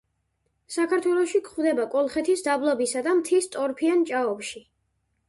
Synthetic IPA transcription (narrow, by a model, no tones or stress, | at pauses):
sakʰaɾt̪ʰwɛlˠɔʃikʰχwvd̪ɛbakʼɔlˠχɛt̪ʰisd̪ablˠɔbisad̪amt̪ʰist̪ʼɔɾpʰiant͡ʃʼaɔpʃi